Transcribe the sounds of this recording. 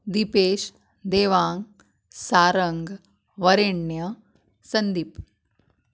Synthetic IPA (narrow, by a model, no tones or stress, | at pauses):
d̪ipeːʃ | d̪eːʋaːŋ | saːɾɐŋɡ | ʋɐɾeɳjɐ | sɐnd̪ip